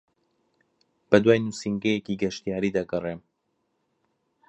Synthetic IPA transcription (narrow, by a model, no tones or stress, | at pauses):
b̥ɐd̪waːjnusiŋɡɛjeciɡɐʃt̪ijaːɾiːd̪ɐɡɐreːm